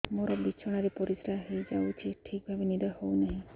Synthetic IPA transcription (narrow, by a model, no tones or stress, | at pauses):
moɾɔbit͡ʃʰɔɽ̃aɾipɔɾisɾaɦejd͡ʒawt͡ʃʰiʈʰik̚bʱabenid̪ɔhɔwnaɦĩ